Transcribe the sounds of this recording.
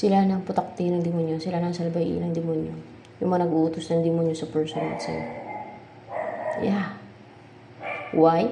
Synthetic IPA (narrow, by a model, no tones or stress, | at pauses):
sɪlanɐŋpʊt̪ɐk̚t̪inɐŋd̪ɪmonjosɪlanɐŋsɐlbɐjʔḭnɐŋd̪ɪmonjo | jʊŋmɐŋanɐɡʔuːt̪ʊsnɐŋd̪ɪmʊnjosɐpɛɹsona̰nsɐ̰jo̰ | ja | waj